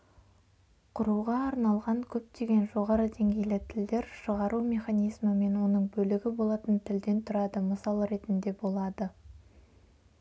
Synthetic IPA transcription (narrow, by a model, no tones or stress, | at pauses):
qʰʊɾuʁɑːɾnɑlˠʁɑŋkʲʰɵp̚t̪e̞ɡʲe̞nʒo̞ʁɑɾəd̪e̞ŋɡʲe̞jlɪt̪ʰɪld̪e̞ɾʃəʁɑɾumʲe̞χanʲijzməme̞nwo̞nəɴbɵlɪɡʲɪbo̞lˠɑt̪ənt̪ʰɪld̪e̞nt̪ʰʊɾɑd̪əməsɑlˠəɾe̞t̪ɪnd̪e̞bo̞lˠɑd̪ə